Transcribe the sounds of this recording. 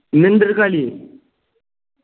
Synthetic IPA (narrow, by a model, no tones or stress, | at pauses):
nend̪əɾkali